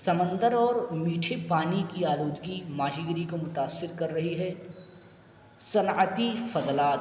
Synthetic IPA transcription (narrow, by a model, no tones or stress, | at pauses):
sɐmə̃nd̪əɾɔːɾmiːʈʰepaːnikiaːloːd͡ʒ̪ɡimaːd͡ʒiːɡɪɾikomʊt̪aːsːɪɾkɐɾːɐɦiɦɛ | sɐnət̪ifɐd̪laːt̪